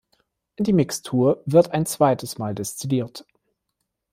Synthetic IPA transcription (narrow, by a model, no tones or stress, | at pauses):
ʔɪndiːmɪkstʰuːɐvɪɐtaɪnt͡sv̥aɪtʰəsmaːldɛst͡sidiːɐt